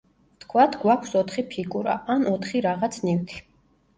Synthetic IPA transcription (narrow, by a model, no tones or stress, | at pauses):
t̪ʰkʰwat̪ʰɡwakʷʰsɔt̪ʰχipʰiɡuɾa̰ʔanɔt̪ʰχiɾaʁat̪sʰniwt̪ʰi̥